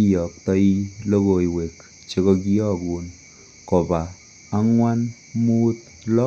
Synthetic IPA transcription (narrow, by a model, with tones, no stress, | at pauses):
i˦jɔ˨k̚tɔ˦i˦lo˦ko˨i˨we˨k | t͡ʃe˦kɔ˧k̬i˦ɔ˦kuː˨n | kɔ˨paː˨˦ | ŋwa˦n | muː˦t̪̚ | lɔ˦